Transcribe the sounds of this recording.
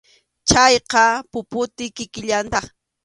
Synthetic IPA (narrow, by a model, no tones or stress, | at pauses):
t͡ʃajqɑpʊpʊt̪ɪkɪkɪʎant̪ɑχ